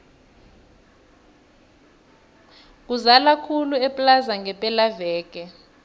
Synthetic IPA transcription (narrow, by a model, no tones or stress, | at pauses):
k̬ʼuzalakʰuluɛpʼlazaŋɡɛpʼɛlavɛːk̬ʼɛ